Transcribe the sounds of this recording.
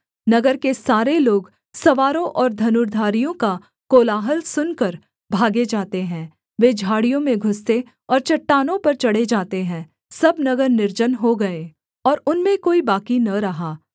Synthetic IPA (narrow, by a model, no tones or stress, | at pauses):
nɐɡəɾkesaːɾeloːɡ | sɐʋaːɾõʔɔːɾd̪ʱɐnʊɾd̪ʱaːɾijõka | koːlaːɦəlsʊnkɐɾ | bʱaːɡed͡ʒaːt̪eɦɛ̃ː | ʋeːd͡ʒʱaːɽijõmẽɡʱʊst̪e | ɔːɾt͡ʃɐʈːaːnõpɐɾt͡ʃɐɽed͡ʒaːt̪eɦɛ̃ː | sɐbnɐɡəɾnɪɾd͡ʒənɦoɡɐe | ɔːɾʊnmẽkoːibaːkinɐɾɐɦaː